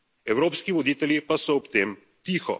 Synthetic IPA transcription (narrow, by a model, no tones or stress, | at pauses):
ɛwɾoːpskiʋɔd̪iːt̪ɛljipasɔːpt̪eːm | t̪iːxɔ̰